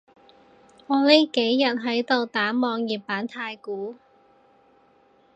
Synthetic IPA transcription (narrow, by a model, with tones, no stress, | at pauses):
ŋɔː˨˧li˥ke˨˥jːɐ˨t̚ɦɐ˨˥jt̪o˨wt̪aː˨˥mɔː˨˧ŋjiː˨p̚ːaː˨˥nt̪ʰaː˧jkuː˨˥